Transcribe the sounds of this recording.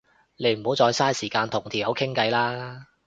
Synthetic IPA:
ne˨˧jm̩˨˩ho˨˥wt͡sɔː˧jsaː˥jsiː˨˩kaː˧nt̪ʰʊ˨˩ŋt̪ʰiː˨˩jɐ˨˥wkʰɪ˥ŋkɐ˧jlaː˥

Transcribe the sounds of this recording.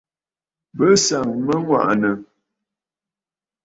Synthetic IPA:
bə˦sa˨ŋmə˦ŋwa̰˦˨ʔnə˨

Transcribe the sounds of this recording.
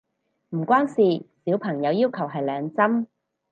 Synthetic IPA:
m̩˨˩kʷwaː˥nsiː˨siː˨˥wpʰɐ˨˩ŋjɐ˨˧wjiː˥wkʰɐ˨˩wɦɐ˨jlɛː˨˧ŋt͡sɐ˥m

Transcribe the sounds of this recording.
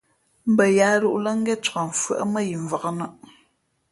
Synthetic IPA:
m̩˨bə˨jaː˨˦ɾu˦ʔlə˦ŋ˦ɡɛ˦t͡ʃa˨ɱ̩˨fə̰˨ʔə˦mə˦ji˨ɱ˨və˨ɣə˦nə˦˨ʔ

